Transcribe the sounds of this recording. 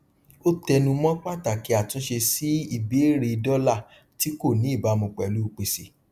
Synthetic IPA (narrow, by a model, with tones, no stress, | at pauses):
o˦tɛ˧nũ˧mɔ̃˦k͡pa˦˨ta˨ki˨˦a˨tũ˨˦ʃe˧si˦i˦˨be˨˦e˦ɾe˧dɔ˦la˦˨ | ti˦ko˦˨nĩ˨˦i˦˨ba˨˧mũ˧k͡pɛ˨lu˨˦˨k͡pe˨se˨